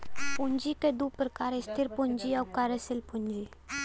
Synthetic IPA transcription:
pʊɲd͡ʒiked̪upɾəkaːɾɪst̪ʰɪɾpʊɲd͡ʒiɔːkaːɾesɪlpʊ̃ɲd͡ʒi

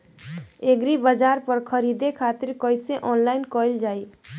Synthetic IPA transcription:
eɡɾibəd͡ʒaɾpəɾkʰəɾid̪ekʰat̪iɾkəjseʔɔnlaɪnkɔjld͡ʒaj

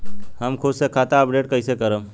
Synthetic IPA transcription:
hɐmkʰʊd̪sekʰaːt̪aɐpɖeːʈ̚kɐisekɐɾə̃m

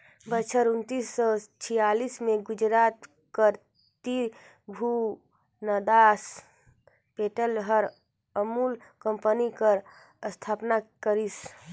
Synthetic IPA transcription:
bət͡ʃʰəɾunt̪isːɔt͡ʃʰijalismeɡud͡ʒɾat̪ | kəɾ | t̪i | bʱu | nəd̪as | peʈəlɦəɾ | əmulkəmpənikəɾ | əst̪ʰapnakəɾis

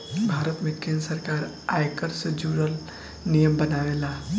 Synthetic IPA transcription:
bʱaːɾət̪mẽkẽnd̪ɾəsəɾkaːɾ | aːjkəɾsəd͡ʒuːɾəl | nijəmbənaːʋelaː

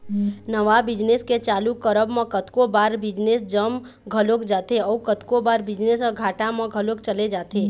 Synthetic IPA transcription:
nəʋabɪd͡ʒnesket͡ʃaːlukəɾəbmə̃kət̪kobaːɾbɪd͡ʒnesd͡ʒəm | ɡʱəlokd͡ʒaːt̪eɔːkət̪kobaːɾbɪd͡ʒnesɔːɡʱaːʈamə̃ɡʱəlokt͡ʃəled͡ʒaːt̪eː

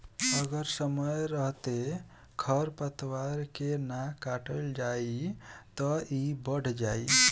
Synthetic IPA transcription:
əɡəɾsəməjɾəɦt̪e | kʰəɾpət̪ʰwaɾkenakaʈəld͡ʒait̪ɔibəɽ̤ʱd͡ʒai

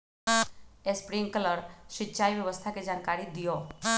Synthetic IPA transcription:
espɾiŋɡkələɾʃɪtːʃʰaːiʋjəʋəst̪ʰaked͡ʒaːnkaːɾid̪ijo

